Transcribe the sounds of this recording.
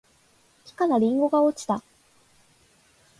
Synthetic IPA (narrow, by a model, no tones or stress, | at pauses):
kʲi̥kanaɾʲĩŋɡo̞ɡaot͡ɕi̥t̪a